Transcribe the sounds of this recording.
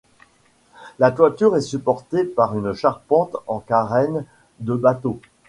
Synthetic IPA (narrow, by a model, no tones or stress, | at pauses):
lat̪wat̪yʁɛsypɔʁt̪epaʁynʃaʁpɑ̃t̪ɑ̃kaʁɛn | d̪əbat̪o